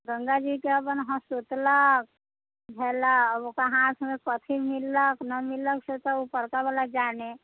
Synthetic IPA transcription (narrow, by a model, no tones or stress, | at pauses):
ɡə̃ŋɡad͡ʒikeəpənɦəsut̪lək̚ | bʱɛːlaokaɦãːt̪ʰmẽkət̪ʰimɪlːəknɐmɪlːəksut̪aupəɾkabəlad͡ʒaːne